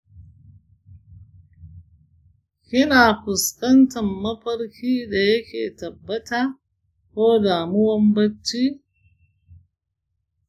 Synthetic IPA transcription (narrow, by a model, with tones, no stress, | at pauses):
ʔɪ˦naː˨ɸʊ˨skɐ˦ntɐ˨mːɐ˦ɸɐ˦ɽkʲiː˦da˨jɐ˦kʲḛː˨tɐ˨bːɐ˦taː˦ | koː˦daː˨mʊ˦wɔ˦mbɐ˦t͡ʃːi˦